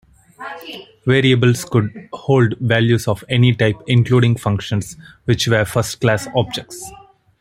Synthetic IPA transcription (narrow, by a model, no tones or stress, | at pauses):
ʋeːɾiəbəlskʊɖhoːlɖʋæljuːsɔːʋeniʈaɪpɪ̃nkluːɖɪ̃ŋɡfʌ̃ŋkʃə̃nsʋɪt͡ʃʋeːɾfʌɾsʈklæːsɔːb̚d͡ʒek̚ʈs